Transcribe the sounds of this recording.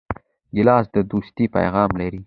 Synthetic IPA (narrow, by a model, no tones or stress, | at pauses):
ɡɪlɑsd̪əd̪ust̪ipa̰jɣɑmlaɾi